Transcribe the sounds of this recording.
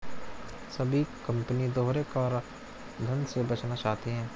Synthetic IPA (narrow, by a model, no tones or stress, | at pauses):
sɐbʱikɐ̃mpənid̪oːɾekɔːɾ | d̪ʱɐ̃nsebɐt͡ʃnat͡ʃaːt̪iɦɛ̃ː